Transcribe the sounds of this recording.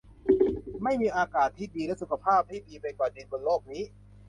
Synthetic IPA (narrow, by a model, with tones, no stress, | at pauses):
ma˥˩jmiː˧ʔaː˧kaː˨˩t̪ʰːiː˥˩diː˧lɛ˦˥su˨˩kʰa˧pʰaː˥˩p̚ha˥˩diː˧pa˧jkwaː˨˩de˧nko˧loː˥˩k̚niː˦˥